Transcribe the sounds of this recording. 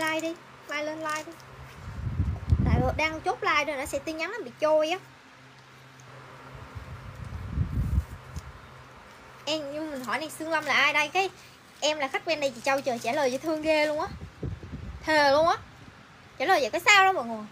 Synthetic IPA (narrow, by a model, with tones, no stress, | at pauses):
laː˧jɗi˧ | laː˧jle˧nlaː˧jɗi˧ | la̰ː˧˨˩ɔ˨˩ɗaː˧ŋ˧t͡ɕo˦˥p̚laː˧jɗo˧˨˩nɔ˨˦sɛ̰˧˥t̪i˧nɲa˨˦nʔaː˨˩ɓḭ˧˨t͡ɕo˧jʔaː˨˦ | ʔɛ˧mɲɨ˧mi˨˩ŋ̟ɦɔ˧˩jnɛ˧˩sɨ˧əŋla˧mlaː˨˩ʔaː˧jɗə˧jkaː˨˦j | ʔɛ˧mlaː˨˩xa˦˥k̚wɛ˧nɗə˧jt͡ɕḭ˧˩t͡ɕə˧wt͡ɕəː˨˩jt͡ɕaː˧˩ləː˨˩jəː˧˨˩jt̪ʰɨ˧əŋɣe˧lu˧əŋʔaː˨˦ | t̪ʰeː˨˩lu˧əŋʔaː˨˦ | t͡ɕaː˧˩˦ləː˨˩zə̰˨˩kɔː˨˦jsaː˧wɗə˨˦mə̰ː˧˨˩ŋu˨˩əj